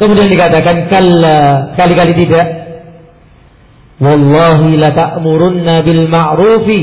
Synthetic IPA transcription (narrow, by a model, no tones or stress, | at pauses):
kəmudiandikat̪akankalːasə̥kalikalit̪idaʔ | wɑlːɑːɦilat̪aʔmuɾʊnːabɪlmaʕɾuːfi